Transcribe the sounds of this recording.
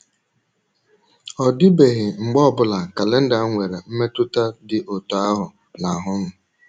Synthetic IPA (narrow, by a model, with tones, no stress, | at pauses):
ɔ˨dɪ˦be˨ɣɪ˨ŋ͡m̩˨ɡ͡bɔ˦˨bʊ˨la˨ka˨le˦n̩˦da˨˦ŋʷe˨ɾe˨m̩˦me˦tʊ˦ta˦dɪ˨ʔo˨tɔ˨a˦ɦʊ˨ | na˨ɦʊ˦m̩˦